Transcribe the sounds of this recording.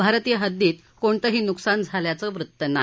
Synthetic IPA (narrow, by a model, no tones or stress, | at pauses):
bʱaɾt̪ijəɦəd̪ːiːt̪ | koɳt̪əɦiːnuksand͡zʱaljat͡səːʋɾut̪ːəna